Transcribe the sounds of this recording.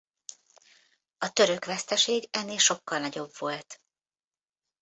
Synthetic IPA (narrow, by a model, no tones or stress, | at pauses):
ɒt̪ø̞ɾø̞kʋɛst̪ɛʃeːɡɛnːeːlʃo̞kːɒlnɒɟo̞bvo̞lt̪